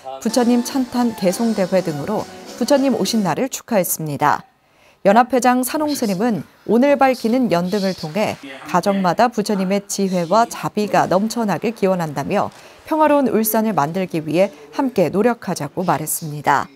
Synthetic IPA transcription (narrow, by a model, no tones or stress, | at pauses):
put͡ɕʰʌɲimt͡ɕʰantʰanke̞sʰoŋde̞ɸe̞dɯŋɯɾoput͡ɕʰʌɲːimo̰ɕʰinːaɾɯɭt͡ɕʰu̥kʰaɦe̞s͈ɯmɲida̰ | jʌnɦapʰwe̞d͡ʑaŋsʰanoŋsʰɯɲimɯn | onɯɭbaɭkʰinɯnjʌndɯŋɯɭtʰoŋɦe̞kad͡ʑʌŋmadaput͡ɕʰʌɲime̞t͡ɕiɸwe̞wat͡ɕabiɡa̰nʌmt͡ɕʰʌnɦaɡe̞kiwʌnɦandamjʌ̰ | pʰjʌŋɦwaɾounuɭs͈anɯɭmandɯɭɡiɥiɦe̞hamk͈e̞noɾjʌkʰad͡ʑaɡ̥omaɾɦe̞s͈ɯmɲida̰